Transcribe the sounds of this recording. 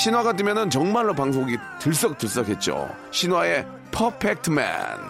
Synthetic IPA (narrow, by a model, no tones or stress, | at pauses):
ɕʰinwaɡadwɯmjʌnɯnt͡ɕʌŋmaɭːopaŋs̬ʰoɡi | tɯɭs͈ʌk̚t͈ɯɭs͈ʌkʰe̞t̚t͡ɕ͈o̰ | ɕʰinwae̞ | pʰʌpʰek̚tʰɯma̰n